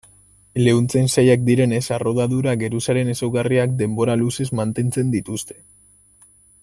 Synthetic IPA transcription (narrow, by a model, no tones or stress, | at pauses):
le̞unt͡sensajak̚d̪iɾe̞ne̞saro̞ðaðuɾaɡe̞ɾusaɾe̞ne̞sawɣariakd̪e̞mbo̞ɾaluse̞zmant̪e̞nt͡se̞nd̪it̪ust̪e̞̥